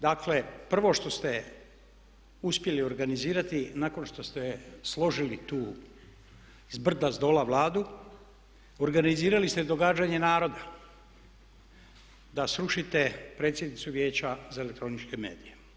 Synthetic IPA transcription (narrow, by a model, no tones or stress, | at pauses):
d̪aklepr̩ʋo̞ʃt̪o̞st̪e̞ | uspje̞lio̞ɾɡaniziːɾat̪inako̞nʃt̪o̞st̪e̞slˠo̞ʒilit̪uː | zbr̩d̪azd̪o̞ːlaʋlˠaːd̪u | oɾɡaniziːɾalist̪ed̪o̞ɡaːd͡ʑaɲe̞naːɾo̞d̪a | d̪asɾuʃit̪e̞pɾe̞t̪sʲje̞d̪nit̪suʋje̞ːt͡ɕazaelek̚t̪ɾo̞nit͡ʃke̞me̞̰ːd̪ije